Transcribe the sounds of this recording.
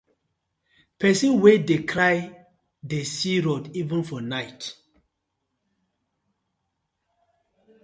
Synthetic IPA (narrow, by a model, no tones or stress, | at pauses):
pʰɛsĩnwedekʰɾaj | desiɹodivə̃nfɔnajt